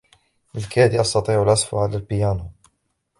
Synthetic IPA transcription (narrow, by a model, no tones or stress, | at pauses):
ʔɪlkæːd̪iʔɑst̪ɑt̪ˤiːʕʊlʔɑsˤfʊʕalalbɪjaːnʊ